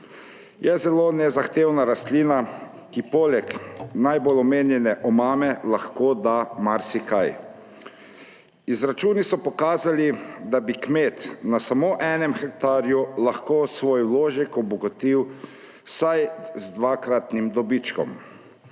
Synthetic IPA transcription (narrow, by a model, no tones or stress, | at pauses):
jɛzɛloːnɛzaxt̪eːwnaɾast̪liːna | kipoːlɛknajbolɔmeːnjɛnɛʔɔmaːmɛlaxkod̪amaɾsikaj | izɾat͡ʃuːnisɔpɔkaːzalid̪abikmeːt̪nasamoːʔɛːnɛmxɛk̚t̪aːɾjulaxkoːsʋoːjwloːʒɛkɔbɔɡɔt̪iw | sajzd̪ʋakɾat̪nimd̪ɔbit͡ʃkɔ̰m